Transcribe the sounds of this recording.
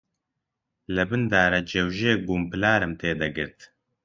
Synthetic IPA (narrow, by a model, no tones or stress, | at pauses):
lɨbɨnd̪aːɾɐd͡ʒewʒeːɡumpɨlaːɾɨmt̪ʰeːd̪ɐɡɨ̰ɾt̪